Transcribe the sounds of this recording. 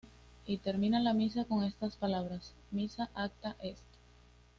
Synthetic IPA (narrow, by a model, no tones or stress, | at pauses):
it̪e̞ɾmĩnalamisako̞ŋe̞st̪aspalaβ̞ɾas | misaʔak̚t̪aʔe̞st̪o̥